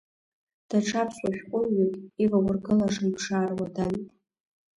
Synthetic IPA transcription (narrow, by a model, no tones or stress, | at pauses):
d̥aʈ͡ʂʰapʰɕʷʼwaʃʲᶣqʷʼʊɥakʼivawʊrɡɨlaʂɨmpʰʂaːrwadantʼ